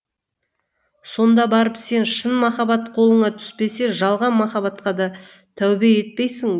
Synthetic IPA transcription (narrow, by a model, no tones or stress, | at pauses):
so̞nd̪ɑbɑɾəpse̞nʃənmɑχɑbɑt̪qʰo̞lˠəɴɑt̪ʰʏ̥spe̞se̞ʒɑlˠʁɑnmɑχɑβɑt̪qɑd̪ɑ | t̪ʰæwbee̞t̪̚pe̞jsɪŋ